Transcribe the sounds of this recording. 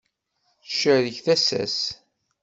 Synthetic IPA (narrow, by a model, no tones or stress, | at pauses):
θʃəðəçθæsæ̰s